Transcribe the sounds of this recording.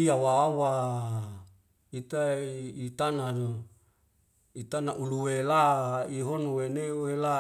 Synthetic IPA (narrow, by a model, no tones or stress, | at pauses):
iawawa | it̪ait̪anao | it̪anaʔuluwelaiɦonowenewela